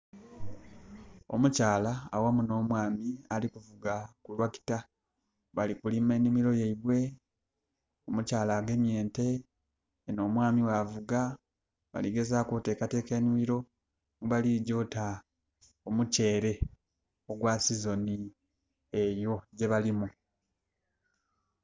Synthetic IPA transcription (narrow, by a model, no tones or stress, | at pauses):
o̞̰mucaːla̰ːwamuno̞ːmwaːmialikuvuɡakulwaki̥ta | βalikulime̞nimiɾo̞jeiβwe̞ | omucaːlaːɡemje̞ːnte̞ː | noːmwaːmiwavuɡa | βa̰liɡe̞zakute̞ːkate̞ːkenimiɾo̞ | ŋuβaliɟo̞ta | omuce̞ːɾe̞ | o̞ɡwasizo̞ni | ejo̞ɟe̞βalimu